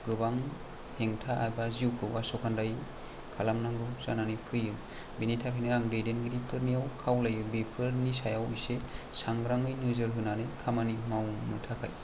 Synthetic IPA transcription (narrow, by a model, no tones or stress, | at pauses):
ɡ̥ɯbaŋ | hʰeŋtʰaʔajbaziwkʰɯwasɔkʰandaj | kʰalamnaŋɡɯza̰nanipʰɯjɯ | binitʰakʰajnɯaŋdejdenɡɯɾipʰɯɾnijawkʰawlajɯbepʰɯɾnisajawijsesaŋɡɾaŋɯjnɯzɯɾɦɯnanɯjkʰamanimawnɯtʰakʰa̰j